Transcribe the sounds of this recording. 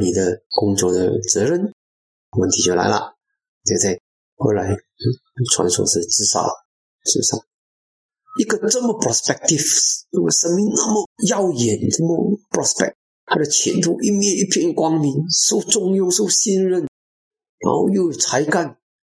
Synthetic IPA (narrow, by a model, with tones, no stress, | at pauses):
ni˨˩d̪ə˦kʊ˥ŋt͡swɔ˥˧d̪ə̰˨t͡sɤ˧˥ɻə˧n | wə˥˩nt̪ʰi˧˥jo˥˩la̰˧˥ɪlə̰˧ | t͡ɕa˥˧ɪt͡sa˥˩ɪ | xo˥˩ʊla˧˥ɪ˧ | t͡sʰwa̰˧˥nswɔ̰˧˥ʂɻ̩˥˩ʈ͡ʂɻ̩˥˧sɑ̰˨˩ʊ | ʂɻ̩˥˩sɑ̰˥˩ŋ | i˥ɡə˨˧ʈ͡ʂə˥˧nmə˨pʰɹɔ˨˩spɛ˥k̚t̪i˥˩fjo˥˩wə˧˩ʂə˧˥nmi˧ŋna˥˩mə˨jɑ˥˩ʊjɛ˨˩nʈ͡ʂə˥˩mə˧˩pʰɹɔ˧˥spɛ̰˥˨k̚ | t̪ʰa˥˩d̪ə˨˩t͡ɕʰjɛ˧˥˦nt̪u˥˧ʔi˥mjɛ˥˧ni˥˩pʰjɛ˥˧nkwɑ˥ŋmi˧˥nso˥˩ʊʈ͡ʂʊ˥˧ŋjʊ˥˧ŋso˥˧˩ʊɕi˥˧nɻə˥˩n | ɻa̰˧˥xo˥˧ʊjo˥˩ʊjt͡sʰa˧˥ɪka˥˩n